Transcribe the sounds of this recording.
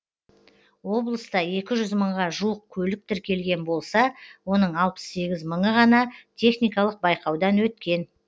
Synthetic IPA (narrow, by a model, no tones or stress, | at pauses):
wo̞blˠəst̪ɑe̞kʲɪʒʏzməɴʁɑʒuwəq̚kʲʰɵlɪk̚t̪ɪɾkʲe̞lɡʲe̞nbo̞lˠsɑwo̞nəɴɑlˠpə̥ssːe̞ɡʲɪzməɴəʁɑnɑt̪ʲʰe̞χnijkɑlˠəq̚bɑjqɑwd̪ɑnwɵt̪kʲe̞n